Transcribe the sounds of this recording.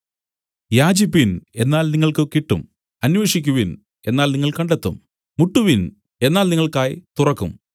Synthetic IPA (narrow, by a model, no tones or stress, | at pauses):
jaːd͡ʑipːine̞nːaːlniŋːɐɭkɨkiʈːṵm | ɐnʋeʂikʲːuʋin | e̞nːaːlniŋːɐɭkɐɳɖet̪ːṵm | muʈːuʋin | e̞nːaːlniŋːɐɭkaːjit̪urɐkːṵm